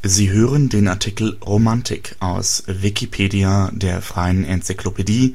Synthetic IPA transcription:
ziːɦøːʁəndeːnaɐtʰikl̩ʁomantʰɪ̰kʰʔaʊsvikipʰeːdiadeːɐfʁ̥aɪənɛnt͡siklopʰediː

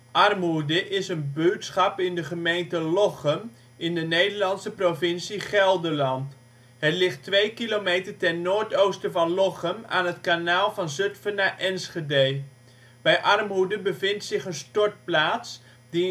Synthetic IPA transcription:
ʔɑrmudəʔɪsənbytsχɑpɪndəχəmejntəlɔχəm | ɪndənejdəɹlɑnsəprovɪnsiχɛlˠdəɹlɑnt | ɦətlɪχtʋejkilomejtəɹtɛnːoːɹtowstəvɑnlɔχəma̰ːnɦətkanaːlˠvɑnzɵtfənaːʔɛnsχədej | b̥ɛjʔɑrmɦudəbəvɪntsɪχənstɔɹt̚plaːts | di

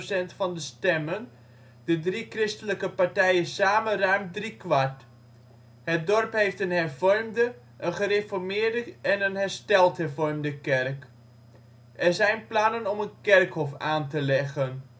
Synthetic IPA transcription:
sɛntfɑndəstɛmən | dədrikrɪstələkəpaɹtɛjənsaːmənrœɥmdrikʋaɹt | hət̚dɔrpɦejftənɦɛrvɔɹmdə | ʔənχərefɔɹmɪːɹdəɛnənɦɛɹstɛlˠtɦɛɹvɔɹmdəkɛrk | ʔɛɹzɛjnplɑnənɔmənkɛrkhɔfaːntəlɛχən

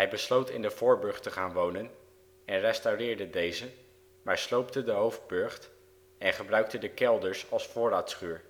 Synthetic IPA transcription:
ɦɛjbəslowtɪ̰ndəvʊːɹbɵɹχtəχaːnʋownən | ɛnrɛstawrɪːɹdədejzə | maːɹslowp̚tədəɦowvd̚bøɹχt | ɛnχəbrœɥk̚tədəkɛlˠdəɹsɑlˠsfʊːɾaːtsχyːɹ

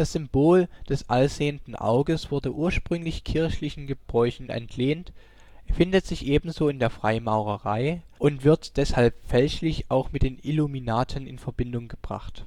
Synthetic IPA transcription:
d̥asz̥ʏmb̥oːld̥ɛsʔalz̥eːəntn̩ʔa̰ʊɡəsv̥ʊɐdəʔuːɐʃpʁ̥ʏŋlɪçkʰɪɐçlɪçn̩ɡəb̥ʁɔʏçn̩ʔɛ̰ntʰleːnt | əfɪndətz̥ɪçʔeːbm̩zoːɪndeːɐfʁ̥aɪmaʊʁəʁa̰ɪ | ʔʊntv̥ɪɐtd̥ɛshalpfɛlçlɪçaʊxmɪtd̥eːniluminaːtʰənɪnfɛɐbɪndʊŋɡəb̥ʁa̰χt

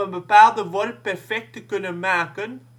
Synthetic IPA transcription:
ənbəpaːd̪əʋɔlpæfɛk̚təkønəmæːkən

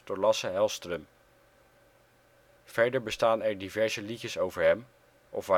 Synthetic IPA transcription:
d̥ʊːɹlɑsəɦɛlˠstrəm | v̥ɛɹdəɹbəstaːnɛɹdivɛɹzəlixəsowvəɹɦɛm | ʔɔfʋa

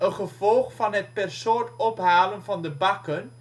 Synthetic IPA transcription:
ənχəv̥ɔlˠχfɑnɦət̚pɛrsoːtɔpɦaːlənvɑndəbɑkən

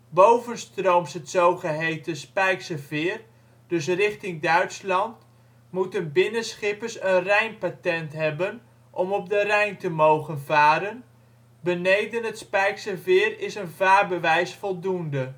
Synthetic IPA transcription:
bowvənstrowmsɦətsowχəɦejtəspɛjksəvɪːr | dɵs̬rɪχtɪŋdœɥtslɑnt | mutənbɪnəsχɪpərsənrɛjnpatɛntɦɛbən | ʔɔmɔb̚dərɛjntəmowχənvaːɾən | bənejdənɦətspɛjksəvɪːɾɪsənvaːrbəʋɛjsfɔlˠdundə

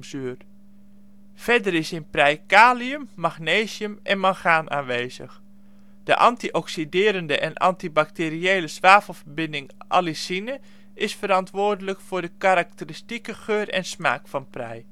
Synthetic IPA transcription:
syər | fɛdəɾɪsɪnprɛjkaːliəmːaxneːzjəmʔɛnmaxaːnʔa̰ːnʋeːzə̰x | d̥əʔɑ̰ntiʔɔksidɪːɾəndəʔɛnʔɑ̰ntibak̚terieːləsʋaːfəl̩ˠfərbɪndɪŋʔa̰lisinə | ʔɪsfəɾɑntʋʊːrdələkfʊːdəkaɾak̚təristikəxøːrɛ̰nsma̰ːkfɑnprɛ̰j

